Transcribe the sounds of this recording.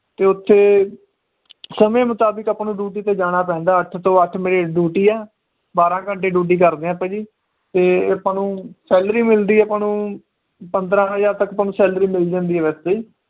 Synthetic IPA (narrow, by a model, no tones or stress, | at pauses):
t̪eːʊt̪ʰːeː | səmẽːmʊt̪aːbəkəpːnũːɖuːʈiːt̪eːd͡ʒaːɽ̃aːp̬ɛ̃ːnd̪aːəʈʰt̪õːəʈʰmeːɾeːɖuːʈiːɛː | baːɾãːkəɳʈeːɖuːʈ̬iːk̬əɾd̪eːãːpɛ̃ːd͡ʒiː | t̪eːpãːnũːsɛːlɾiːmɪld̪iːɛpãːnũː | pənd̪ɾãːəjaːɾt̪əkəpaːnũːsɛːlɾiːmɪld͡ʒãːnd̪iːɛːʋɛːst̪eiː